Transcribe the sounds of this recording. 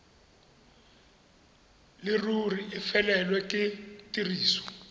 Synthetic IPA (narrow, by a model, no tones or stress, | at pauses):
lɪruriɪfɛlɛlwɛkʼɪtʼiriːsɔ̥